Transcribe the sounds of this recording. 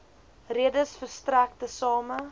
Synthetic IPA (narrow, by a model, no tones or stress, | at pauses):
riədəsfərstræk̚təsɑːmə